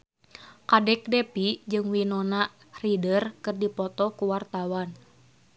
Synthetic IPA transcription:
kadɛk̚dɛpid͡ʒɨŋwinɔna | ridərkɨrdipɔt̪ɔkuwart̪awan

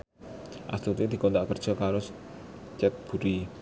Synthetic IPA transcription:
ʔa̰st̪ut̪id̪̥i̤kɔnt̪aʔkərd̥ʒ̥ɔ̤kaɾost͡ʃɛt̪̚b̥ṳɾi

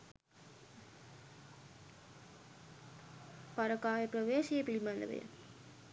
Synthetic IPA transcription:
paɾəkaːʋepɾəʋeːʃiepɾimand̪ə̰ʋḛjə̰

